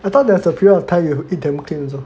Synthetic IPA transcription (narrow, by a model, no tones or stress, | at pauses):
ɛtadɛ̃sɔpʰiɾatʰajɛɦidɛ̃m̩kʰlĩn̩zʊ